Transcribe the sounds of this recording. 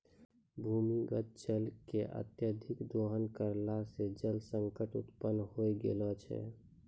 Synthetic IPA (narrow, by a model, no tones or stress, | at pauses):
bʱuːmiɡət̪̚t͡ʃəlkeʔə̰t̪jəd̪ʱɪkd̪oːɦənkəɾlased͡ʒəlsəŋkəʈṵt̪pənːhoiɡḛlɔt͡ʃʰɛ̰